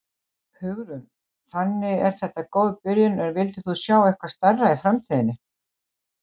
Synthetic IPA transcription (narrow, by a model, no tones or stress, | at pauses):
hʏɣɾʏn | θanːɪɛɾ̥θɛht̪ːakoːwðpɪɾjʏnɛnvɪlt̪ɪθusjaːwɛhkvaɾ̥st̪arːaifɾamt̪ʰiːðɪnːɪ